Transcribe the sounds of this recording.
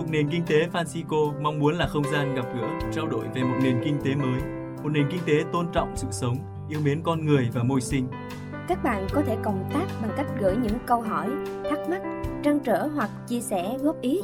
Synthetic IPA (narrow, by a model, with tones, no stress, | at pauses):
mʊ˨˩t̚ne˨˩nkï˧ŋ̟t̪e˨˦faː˧nsi˧ko˧ma˧wŋ͡mmu˨˦ənlaː˨˩xə˧wŋ͡mzaː˧nɣa˨˩p̚ɣɨ̰˧˥ət͡ɕaː˧wɗo̰˧˨jve˨˩mo˨˩t̚ne˨˩nkï˧ŋ̟t̪e˨˦məː˨˦j | mo˨˩t̚ne˨˩nkï˧ŋt̪e˨˦t̪o˧nt͡ɕɔ̰˧˨wŋ͡msɨ̰˧˨sə˨˦wŋ͡m | ʔi˧əwɓi˨˦ənkɔ˧nŋɨ˨˩əjvaː˨˩mo˧jsï˧ŋ̟ | kaː˦˥k̚ɓa̰ː˧˨nkɔ˨˦t̪ʰe˧˩kə˨˩wŋ͡mt̪aː˦˥k̚ɓa˨˩ŋka˦˥jk̟̚ɣɨ̰˧˩jɲɨ̰˧˥ŋkə˧wɦɔ˧˩jt̪ʰaː˦˥k̚ma˦˥t̚t͡ɕa˧ŋt͡ɕəː˧˩ɦwa˨˩k̚t͡ɕi˧əsɛ˧˩ɣɔ˦˥p̚ʔi˨˦